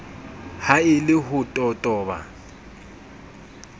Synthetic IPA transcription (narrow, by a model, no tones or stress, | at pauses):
haɪlɪɦʊtʼɔtʼɔːba̰